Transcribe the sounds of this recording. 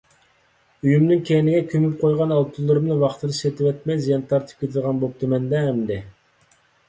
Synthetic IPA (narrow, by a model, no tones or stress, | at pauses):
yjymnɪŋkʲʰenɪɡʲɛkʲʰømyp̚qʰojʁɑnɑlˠt̪ʰulˠːɨɾɨmnɨvɑχt̪ʰɨɾɨsɛt̪ʰɪvɛt̪̚mɛjzijɑnt̪ʰɑɾt̪ʰɪ̥p̚kʲʰøt̪ʰɪd̪ʁɑnbop̚t̪ʰumɛnd̪ɛɦːmd̪ɪ